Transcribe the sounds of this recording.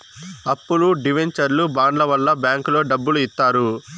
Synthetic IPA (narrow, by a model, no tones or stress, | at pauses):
ɐpːuluɖiʋeɲt͡ʃɐɾlubaːɳlɐʋɐlːɐbjaːŋkulo̞ːɖɐbːuluit̪ːaːɾu